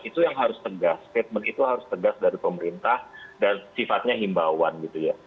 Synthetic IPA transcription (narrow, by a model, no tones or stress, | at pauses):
it̪ujaŋɦaɾʊst̪əɡastet̪̚mənit̪uɦaɾʊst̪əɡasdaɾipəməɾint̪ahdansifat̪̚ɲaɦimbawanɡit̪uja